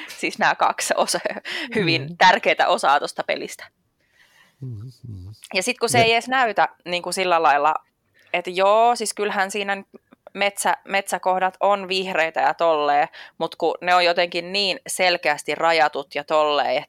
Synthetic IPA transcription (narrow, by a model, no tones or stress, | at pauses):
sisnæːkɑ̰kso̰shyʋint̪ærkeːt̪æ̰ʔosɑːt̪ost̪ɑpḛlist̪æ̥ | jɑsit̪kuseiesnæyt̪æniːŋkusilːælɑilːɑ̰ | et̪joːsiskylhænsiːnænyt̪ | met̪sæmet̪sækohdɑt̪onʋihreit̪ɑjɑt̪olːeːmut̪kuneojjot̪eŋkinniːnselkeæst̪irɑjɑt̪ut̪jɑt̪olːḛːet̪ː